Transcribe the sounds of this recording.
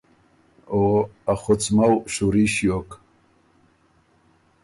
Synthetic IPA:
oaχut͡smawɕuɾiʃjok

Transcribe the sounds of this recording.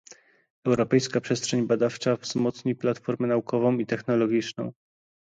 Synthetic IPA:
ɛwɾɔpɛjskapʂɛstʂɛɲbad̪aft͡ʂavz̥mɔt̪sɲiplat̪fɔɾmɛnaukɔvɔ̃w̃it̪ɛxnɔlɔɡʲit͡ʂnɔ̰̃w̃

